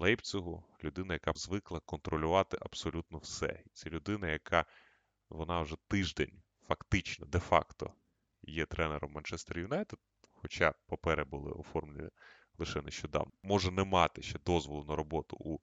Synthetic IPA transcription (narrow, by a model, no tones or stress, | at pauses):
lˠɛjp̪t͡sʲʊɦʊlʲʊd̪ɪnɐjɐkazʋɪklˠɐkɔnt̪ɾɔlʲʊʋɑt̪ɪʔɐbsɔlʲut̪nɔwsɛ̰it͡sʲalʲʊd̪ɪnɐjɐkʰɑ | ʋɔnɑwʒɛt̪ɪʒd̪ɛ̰nʲ | fɐkt̪ɪt͡ʃnɔd̪efɑ̰kt̪ɔ̰ | jɛt̪ɾɛnɛɾɔmːɐnt͡ʃɛst̪ɛrjʊnajt̪ed̪̚ | xɔt͡ʃapɔpɛɾɛbʊlˠɪ̰ʔɔfɔrmlʲɪnʲi | lˠɪʃɛnɛʃt͡ʃɔd̪ɑ̰wnɔmɔʒɛnɛmɑt̪ɪʃt͡ʃɛd̪ɔzʋɔlˠʊnɐɾɔbɔt̪ʊʔu